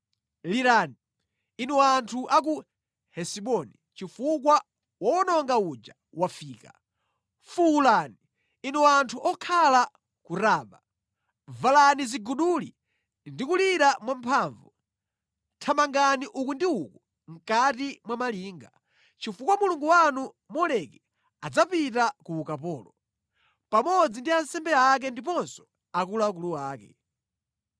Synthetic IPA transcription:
liɾani | inuwantʰuʔak̬u | hɛsiɓɔni | t͡ʃifuk̬wa | wɔnɔŋɡaud͡ʒa | wafiːka̰ | fuulani | inɛwantʰuʔɔkʰala | kuɾaːɓa | valaniziɡuɗuli | ndikuliɾamwampʰaːɱvu | tʰamaŋɡaniʔukundiuku | ŋ̩katimwamaliːŋɡa | t͡ʃifukwamuluŋɡuwanu | mɔlɛkɛ | ad͡zapitakuːkapɔːlɔ | pamɔd͡zindiansɛmbɛak̬ɛndipɔnsɔ̥ | akulak̬uluwaːkɛ̰

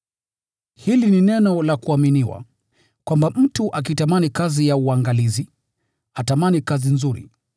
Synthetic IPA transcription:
hilininɛnɔlakuaminiwa̰ | kwambam̩tuʔak̬itamanikazijauaŋɡalizi | atamanikazinzuɾḭ

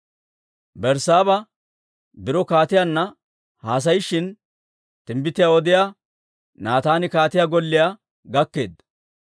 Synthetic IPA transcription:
bɛɾsaːbɐ | bɪɾɔkaːt̪ɪjanːɐ | haːs̬ɐjɪʃːɪn | t̪ɪmbɪt̪ːɪjaːwɔd̪ɪja | naːt̪aːnɪkaːt̪ɪjaːɡɔlːɪjaː | ɡɐkːe̞ːd̪ɐ

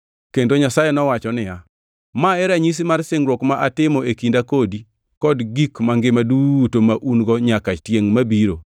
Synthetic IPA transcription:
kendoɲasajɛnɔwat͡ʃɔnɪja | maɛɾaɲis̬imarsɪŋɾwɔkmaʔatɪmɔekindakodi | kɔdɡikmaŋɡɪmadutomaʔunɡɔɲakat͡ʃtjeŋmabiɾo

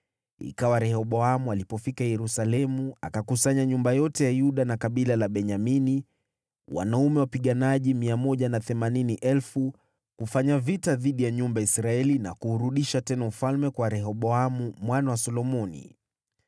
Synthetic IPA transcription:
ḭkawaɾɛhɔɓɔamualipɔfikajɛɾusalɛmua̰kakusaɲaɲumbajɔtɛjajuɗanakaɓilalaɓɛɲamini | wa̰naumɛwapiɠanaʄimiamɔʄanaθɛmaniniʔɛlfu | kufaɲavitaðiɗijaɲumbaisɾaɛlina̰kuːɾuɗiʃatɛnaufalmɛkwaɾɛɦɔɓɔamumwanawasɔlɔmɔnḭ

